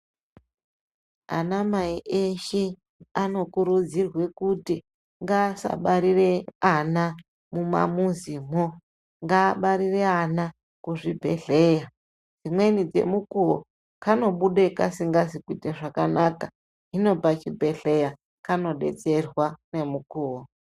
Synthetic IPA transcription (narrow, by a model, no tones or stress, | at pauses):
a̰namaiʔeʃe | ano̞kuɾud͡zirwe̞kuti | ŋɡaːsa̰ɓaɾireana | muma̰muzimo | ŋɡaːɓaɾire̞ana | kuʐibʱe̞̰ɬeja | d͡zimwe̞nid͡ze̞̰mukuwo | kano̞ɓuɗekasiŋɡazikwiteʐakanaka | ɦino̞pat͡ʃibʱe̞ɬe̞ja | kano̞ɗe̞̰t͡se̞rwane̞mukuːwo